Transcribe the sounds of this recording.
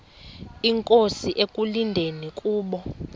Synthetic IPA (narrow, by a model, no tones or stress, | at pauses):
iŋkʼosiʔekʼulindʱenikʼuːɓɔ